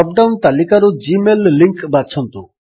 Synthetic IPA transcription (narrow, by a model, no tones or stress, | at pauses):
ɔp̚ɖawnt̪alikaɾud͡ʒimelːiŋkbat͡ʃʰɔnt̪u